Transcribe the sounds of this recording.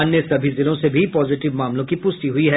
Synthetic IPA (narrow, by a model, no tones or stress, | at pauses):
ɐnjesɐbʱizɪlõsebʱipɔːzɪʈɪʋmaːmlõkipʊst̪iɦʊiɦɛː